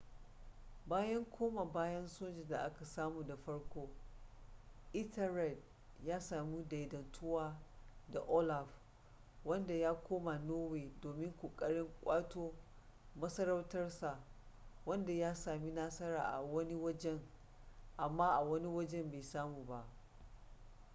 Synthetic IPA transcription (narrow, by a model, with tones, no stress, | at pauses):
baː˦jɐ˦ŋkʷʰoː˦ma˨baː˦jɐ˦nsoː˦d͡ʒɛ˨nda˨ʔa˦ka˨saː˦muː˨da˨ɸɐ˦ɽkʷoː˦ | ʔɪ˦tʰɛ˨ɾɛ˨t̚ | jaː˦saː˨mi˦da˨jdɐ˨ntʰʊ˦waː˦da˨ʔo˦la˨ɸ | wɐ˦nda˨jaː˦kʷʰoː˦ma˨noː˦weː˨doː˨mɪ˦ŋkʷoː˨kʼɐ˦ɽɪ˦ŋkʷʼaː˦toː˦ | mɐ˦sɐ˦ɾɐ˦wtɐ˦rsa˨wɐ˦nda˨jaː˦saː˨mi˦naː˦sɐ˦ɾaː˨ʔa̰˨wɐ˦ni˦wɐ˦d͡ʒɛ˦ŋ | ʔa˨mːaː˦ʔa˨wɐ˦ni˦wɐ˦d͡ʒɛ˦mbe˨saː˦muː˨ba˦ʔ